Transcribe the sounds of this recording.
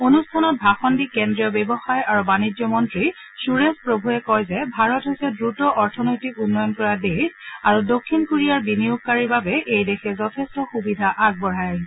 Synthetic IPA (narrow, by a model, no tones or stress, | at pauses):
onustʰanɔt̚bʱaxɔndikɛndɹiɔbɛbɔxajaɹubanizɔmɔntɹi | suɹespɹobʱuɛkɔjzɛbʱaɹɔtɦojsɛdɹutɔʔɔɹtʰɔnojtikunːɔjɔnkɔɹadexaɹudokʰːinkuɹijaɹbinijuk̚kaɹiɹbabɛʔejdexɛzɔtʰɛstɔxubidʱaʔaɡ̚bɔɹajɹ